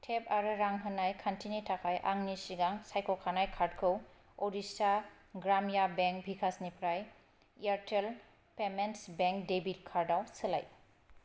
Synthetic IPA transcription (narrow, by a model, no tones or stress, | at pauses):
tʰepaɾɯɾaŋɦɯnajkʰantinitʰakʰajʔa̰ŋnisiɡaŋsajkʰɔkʰanajkʰaɾd̚kʰɯw | ɔdisa | ɡɾamjabeŋk̚bʱikʰasnipʰɾaj | iaɾtʰel | pementsbeŋk̚debit̚kʰaɾdawsəla̰j